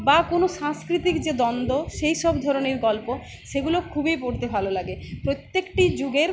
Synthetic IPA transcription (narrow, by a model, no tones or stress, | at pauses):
bakonoʃãŋskɾit̪ikd͡ʑed̪ɔnd̪oʃejʃɔbd̪ʱɔɾoneɾɡɔlpo | ʃeɡulokʰubipoɾt̪ebʱalolaɡepɾot̪ːekʈid͡ʑuɡeɾ